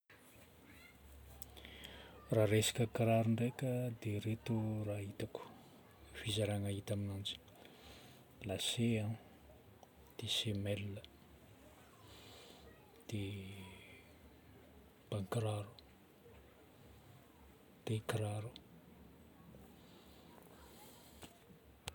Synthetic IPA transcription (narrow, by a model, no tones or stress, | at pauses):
raɾesḁkʲəkiɾaɾuɳɖ͡ʐekʲəd̪eɾet̪uraɦit̪aku̥ | fizaɾaŋaɦit̪aminand͡zi̥ | laseã | d̪̥esemɛlːə | d̪̥e | b̥aŋkɾaɾu̥ | d̪̥ekiɾaɾu̥